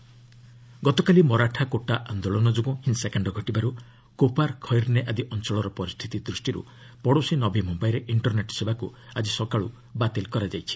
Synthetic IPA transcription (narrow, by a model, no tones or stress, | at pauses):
ɡɔt̪ɔkalimɔɾaʈʰakoʈaʔand̪oɭɔnɔd͡ʒoɡɔ̃hinsakaɳɖɔɡʱɔʈibaɾu | kopaɾkʰɔjɾneʔad̪iʔɔnt͡ʃɔɭɔɾɔpɔɾist̪ʰit̪id̪ɾusʈiɾṵ | pɔɽosinɔbimumbajɾeʔiɳʈɔɾneʈsebakuad͡ʒisɔkaɭu | bat̪elkɔɾad͡ʒajt͡ʃʰi̥